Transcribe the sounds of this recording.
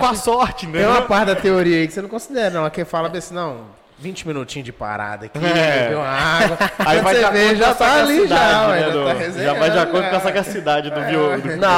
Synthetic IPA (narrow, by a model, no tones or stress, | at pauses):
kõɐsɔɾt͡ʃɪĩt̪ẽũmɐpaɾt͡ʃɪd̪ɐt̪eoɾiɐikɪsenɐ̃w̃kõsid̪ɛɾɐnɐ̃w̃ɐkefalɐbẽsnɐ̃w̃ | vĩt͡ʃɪmĩnut͡ʃĩɲʊd͡ʒɪpa̰ɾa̰d̪ɐkivew̃aɡwɐaivajeveʒat̪aliʒad̪oahezeʒavajd͡ʒiakoɾd̪ʊkɛsaɡasid̪ad͡ʒɪd̪ʊvid̪ʊina